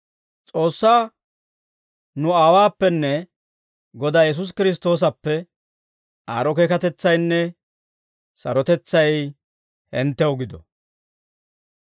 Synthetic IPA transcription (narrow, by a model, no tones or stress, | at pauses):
t͡sʼo̞ːsːaː | nʊaːwaːpːɛnːɛ | ɡɔd̪aːjɛs̬ʊs̬kɪɾɪs̬t̪o̞ːs̬ɐpːɛ | aːɾɔkeːkɐt̪ɛt͡sːɐjnːɛ | sɐ̰ɾɔt̪ɛt͡sːɐj | hɪnt̪ːɛwɡɪd̪ɔ̰